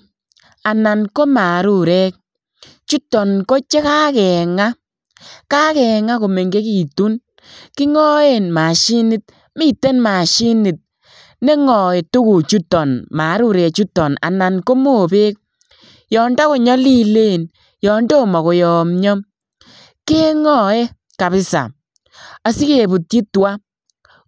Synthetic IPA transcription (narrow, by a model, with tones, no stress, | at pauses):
a˨na˨nko˦ma˨ɾu˦ɾɛ˦k̚ | t͡ʃu˦tɔ˨nko˦t͡ʃe˦ka˦kɛ˨ŋa˦ | ka˦kɛ˨ŋa˦ko˨me˨ŋɡe˦ki˨tu˦n | ki˦ŋɔ˦e˨nma˨ʃi˦nɪ˦t̚ | mi˦te˦nma˨ʃi˦nɪ˨t̚ | ne˦ŋɔ˨e˨tu˦ku˨t͡ʃu˦tɔ˨nma˨˦ɾu˦ɾe˨t͡ʃu˦tɔ˨na̰˨na˨nko˦mo˨be˦k̚ | jɔː˨nda˦ko˨ɲɔ˦li˦le˦˨n | jɔ˨ndo˦˨mɔ˨ko˨jɔ˨mɲɔ˦m | ke˦ŋɔ˨e˦ | ka˨βɪ˦sa̰˨ | a˦si˦ke˨bu˨tji˦twa˦